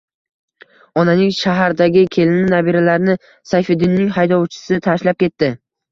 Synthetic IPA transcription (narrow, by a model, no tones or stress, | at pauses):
ɒnanɪŋʲʃaɦaɾd̪aɡʲɪkʲʰe̞lɪnɪnabiɾalaɾnɪ | sajfed̪ɪnːɪŋɦajd̪ɒwt͡ʃʰɪ̥sɪt̪ʰaʃlap̚kʲe̞t̪ːɪ